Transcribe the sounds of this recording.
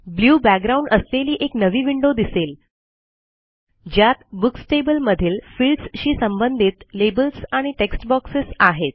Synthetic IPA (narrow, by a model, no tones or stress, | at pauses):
bljuːbæk̚ɡɾaũɳɖəsleliːʔeknəʋiːʋiɳɖod̪isel | d͡ʑjat̪buksʈebəlməd̪ʱiːlfilɖsɕiːsəmbənd̪ʱiːt̪lebəlsaɽ̃iʈeksʈbɔksəsaɦet̪̚